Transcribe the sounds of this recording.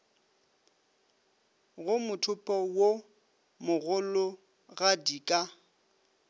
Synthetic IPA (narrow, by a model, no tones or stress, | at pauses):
ɣʊmʊtʰʊpʼɔwo | mʊɣʊlʊ | ɣadikʼa